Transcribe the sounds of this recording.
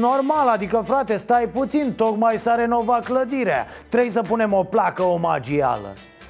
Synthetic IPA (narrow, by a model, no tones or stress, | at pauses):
no̞rmalad̪ikəfɾat̪e̞st̪ajput̪sint̪o̞kmajsaɾe̞no̞vakləd̪iɾea̰ | t̪ɾejs̬əpune̞mo̞plakəomad͡ʒia̰lə̰